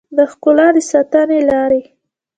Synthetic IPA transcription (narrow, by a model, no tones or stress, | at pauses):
d̪əxkʊlɑd̪əsɑt̪ənelɑɾe